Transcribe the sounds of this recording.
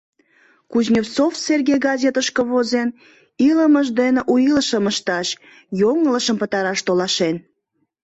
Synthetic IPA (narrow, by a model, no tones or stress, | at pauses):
kuʑnʲift͡sofserɡʲejɡɑzʲet̪əʃkəβozen | iləməʒd̪eneʔujiləʃəməʃt̪ɑʃ | joŋələʃəmpət̪ɑɾɑʃt̪olɑʃen